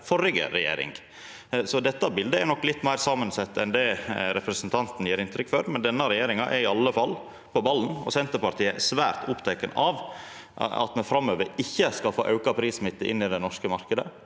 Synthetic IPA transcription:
fɔɾɪɡə̰ɾɛjḛːɾɪ̰ŋ | sɔd̪ɛt̪ːɑbɪld̪əɛɾnɔkːlɪt̪ːmæɪɾsɑːmənsɛt̪ːɛnd̪ɛɾɛpɾəsnt̪ʰɑnt̪n̩jeːɾɪnt̪ʰɾʏkfœɾmɛnd̪ɛnːəɾɛjeːɾɪŋɑʔɛɾɪɑlːəfɑlː | pɔbɑlːn̩ɔ̰sɛnt̪əpɑɾʈ̪ʰiːəʔsʋæːɾt̪ʰʊpt̪ʰɛɪkənɑʋ | ɑ̰t̪mɛnfɾɑmøːʋəɾɪçːəskɑlfo̰ːʔɑʉkɑpʰɾiːsmɪt̪ːəʔɪ̰nːɪd̪ɛnɔʂkəmɑɾkəd̪ə

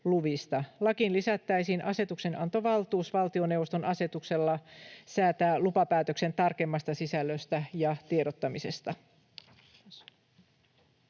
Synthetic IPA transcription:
luʋist̪ɑlɑkinlisæt̪ːæjsiːnʔɑse̞t̪ukse̞nɑ̰nt̪o̞ʋɑlt̪uːsʋɑlt̪io̞ne̞wʋo̞st̪o̞nʔɑse̞t̪ukse̞lːɑsæːt̪æːlupɑpæːt̪økse̞nt̪ɑrkemːɑst̪ɑsisælːøst̪æjɑt̪ieɾot̪ːɑmise̞st̪ɑ

